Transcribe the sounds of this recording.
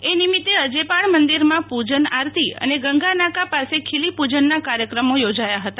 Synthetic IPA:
enimit̪ːeəd͡ʒepaɳmənd̪iɾmãpud͡ʒənaɾt̪iə̰neɡəŋɡanakapasekʰilipud͡ʒənːakaɾjəkɾəmojod͡ʒajaɦət̪a

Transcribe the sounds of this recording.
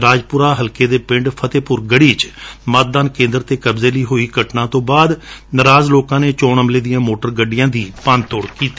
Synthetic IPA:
ɾaːd͡ʒpʊɾaːɦəlkeːd̪eːpɪ̃ɳɖpʰət̪eːpʊɾɡəɽiːt͡ʃmət̪̚d̪aːnkẽːnd̪əɾt̪eːkəbzeːləiːɦoːiːɡəʈnãːt̪õːbaːd̪nəɾaːzloːkãːneːt͡ʃɔːɳəmleːd̪ijãːmoːʈəɾɡəɖɪjãːd̪iːpaːnt̪oːɽkiːt̪i

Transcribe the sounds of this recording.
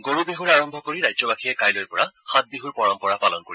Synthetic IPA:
ɡoɹubeɦuɹaɹɔmbʱɔkoɹiɹajzɔbakʰijɛkajlojpɔɹaxat̪̚beɦuɹpɔɹɔmpɔɹapalɔnkoɹi

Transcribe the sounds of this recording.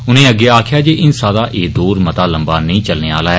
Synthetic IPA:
ʊnẽːəɡːeːaːkʰɪjaːd͡ʒeːʔɪnsaːd̪aːʔeːd̪oːɾmət̪aːləmbaːnəĩːt͡ʃəlneːaːlaːɛː

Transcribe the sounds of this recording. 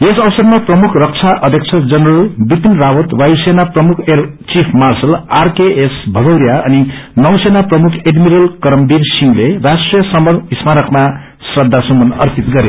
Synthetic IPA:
esʌbʌsʌrmaprʌmukʰrʌk̚t͡sʰaʔʌd̪ʱjeʌk̚t͡sʰʌd͡zʌnrʌlbipinrawʌt̪wajsenaprʌmukʰer | t͡sipʰmarsʌlarkeesbʱʌɡʌwɾjaʌninʌwsenaprʌmukʰeɖmiɾʌlkʌɾʌmbiɾsiŋlerasʈrijʌsʌmbʌnismaɾʌkma | srʌd̪ʱːasumbʌnʌrp̪it̪ɡʌɾje

